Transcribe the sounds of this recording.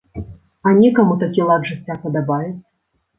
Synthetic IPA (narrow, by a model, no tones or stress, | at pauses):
ɐnʲɛkɐmut̪akʲilˠad̪ʐɨtt͡sʲːapɐd̪abajut͡sʲ